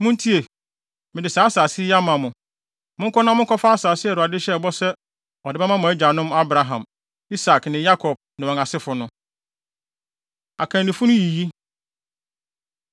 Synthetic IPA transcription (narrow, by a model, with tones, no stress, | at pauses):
mʊ̃˦n˦tʰi˦e˨ | mɪ̃˨dɪ˨saː˨˦saː˨sɪ˦ja˦mã˨mʊ̃˨ | mʊ̃˦ŋ̩˦kʰɔ˦nã˦mʊ̃˦ŋ̩˦kʰɔ˦fa˦a˦saː˨sɪ˦ɛ˨ɾʊ˨a˨dɪ˦ɕɛ˦˨bɔ˦sɛ˦ | ɔ˨dɪ˨ba˦mã˦mʊ̃˨ɛ˦d͡ʑᶣa˨nʊ̃˦ma˦bɾa˨ɦã˨m | i˦sa˨knɪ̃˨ja˦kʰɔ˨b̚nɪ̃˨wɔ̃˨ŋa˨sɪ˦fʊ˨nʊ̃˦ | a̰˨kʰã˨nɪ̃˨fʊ˦nʊ̃˦ji˨ji˦